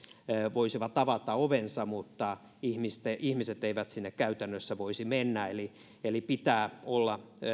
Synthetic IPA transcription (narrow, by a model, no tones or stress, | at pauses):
ʋoisiʋɑt̪ɑʋɑt̪ɑoʋensɑmut̪ːɑ | ihmist̪eihmiset̪eiʋæt̪sinːekkæyt̪ænːøsːæʋoisimenːæeli | elipit̪æːolːɑ